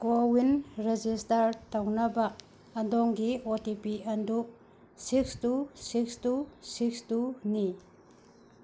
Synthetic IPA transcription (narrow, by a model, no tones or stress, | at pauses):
kowinɾed͡ʒistɐɾtawnɐbɐː | ndɔŋɡiotipiɐndu | sikstusikstusikstuni